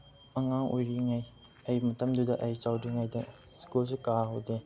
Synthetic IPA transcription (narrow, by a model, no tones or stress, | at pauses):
mɐŋaŋojɾiŋaj | ɐjmɐtɐmdudɐʔɐjt͡ʃawdiŋajdɐ | skuls̬ekaɦowde